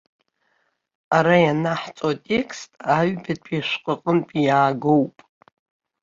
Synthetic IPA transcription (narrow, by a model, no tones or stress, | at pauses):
aɾajanaħt͡sʼatʼekʰstʼaɥbatʰʼaʃʷqʼəqʼənpʼijaːɡowpʼ